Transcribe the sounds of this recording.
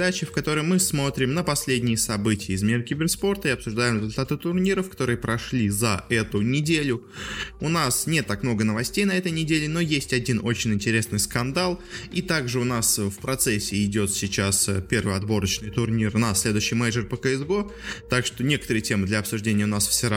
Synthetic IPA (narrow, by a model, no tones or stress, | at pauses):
d̪at͡ɕɪfkɐt̪o̞ɾəjmɨsmo̞t̪ɾʲɪmnəpɐsʲlʲedʲnʲɪjəsɐbɨtʲɪjəɪzmʲiɾəkʲɪbʲɪrspo̞rt̪əiɐpsʊʐd̪ajʊmɾʲɪzʊlʲt̪at̪ɨt̪ʊrnʲiɾəfkɐ̥t̪o̞ɾɨjəpɾɐʂlʲizɐɛt̪ʊnʲɪdʲelʲʊ | ʊnasnʲe̞t̪ːakmno̞ɡənəvɐsʲtʲejnɐɛt̪əjnʲɪdʲelʲɪno̞jesʲtʲɐdʲino̞t͡ɕɪnʲɪnʲtʲɪɾʲe̞snɨjskɐnd̪alˠit̪aɡʐɨʊnasfpɾɐt̪sɛsʲːɪɪdʲo̞t̪sʲɪt͡ɕaspʲe̞rvɨɐd̪bo̞ɾət͡ɕnɨjt̪ʊrnʲirnɐsʲlʲe̞d̪ʊjɕːɪjmɛjʐərpəkəɛzbo | t̪akʂt̪o̞nʲe̞kə̥t̪əɾɨjətʲe̞mɨd̪lʲɐɐpsʊʐdʲenʲɪjəʊnasfsʲɪɾ